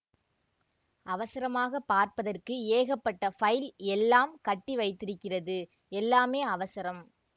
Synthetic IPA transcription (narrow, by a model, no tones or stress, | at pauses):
ʔɐʋɐsɪɾɐmaːɣɐpːaːɾpɐðɐrkɯeːɣɐpːɐʈːɐfɐjlɛlːaːmkɐʈːiʋɐɪt̪ːɪɾɯkːɪrɐðɯ | ɛlːaːmeːɐʋɐsɐɾɐm